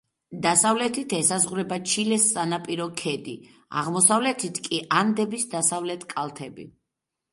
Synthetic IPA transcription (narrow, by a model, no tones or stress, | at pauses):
d̪asavlɛt̪ʰit̪ʰɛsazʁuɾɛbat͡ʃʰilɛssʼanapʼiɾɔkʰɛd̪ḭ | a̰ʁmɔsavlɛt̪ʰit̪ʰkʼiʔand̪ɛbisd̪asavlɛt̪ʰkʼalˠt̪ʰɛbḭ